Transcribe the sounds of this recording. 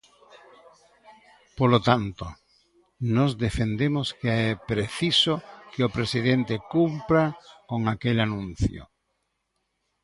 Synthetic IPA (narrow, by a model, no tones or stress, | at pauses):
polot̪ant̪o | nɔzd̪efend̪emoskeɛpɾeθisokeopɾesiðent̪ekumpɾakoŋakelanũnθjo̰